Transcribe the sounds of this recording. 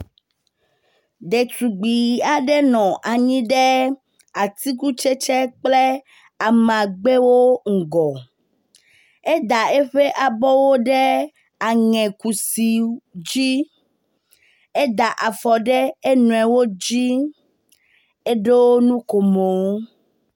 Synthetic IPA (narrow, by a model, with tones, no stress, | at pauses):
ɖe˨t̪u˨ɡ͡bi˨a˨ɖɛ˦nɔ̃˨ʔa˨ɲĩ˦ɖe˦ | a˨t̪i˦ku˦t͡ʃe˦t͡ʃɛ˦k͡ple˦ | a˨mã˨ɡ͡be˦wo˦ŋ̩˨ɡɔ˨ | e˦d̪a˨e˦ɸe˦ʔa˨bɔ˦wo˦ɖe˦ | a˨ŋɛ̃˨ku˨si˨d͡ʑi˦ | e˦d̪a˨ʔa˨fɔ˨ɖɛ˦e˦nũ˨ɛ˨wo˦d͡ʑi˦ | e˦ɖe˦wo˦nũ˦ko˨mo˨wo˦